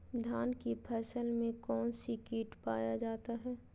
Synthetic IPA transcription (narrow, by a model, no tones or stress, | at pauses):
d̪ʱaːnkipʰɛːsəlmẽkɔːnsikiːʈpaːjad͡ʒaːt̪aɦɛː